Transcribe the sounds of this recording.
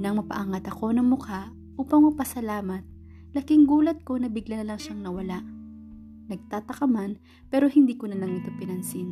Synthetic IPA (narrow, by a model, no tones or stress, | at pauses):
nɐŋmɐpɐ̰ʔaŋɐt̪ɐko̞nɐŋmʊka | ʔuːpɐŋmɐpɐsɐlaːmɐt̪̚ | lɐkɪŋɡuːlɐt̪̚ko̞nɐbɪɡlɐnɐlɐŋʃaŋnɐwɐlaʔ | nɐɡ̚t̪aːt̪ɐkɐman | pɛːɾo̞hɪnd̪iːkonɐlɐŋnɐt̪o̞pɪnɐnsin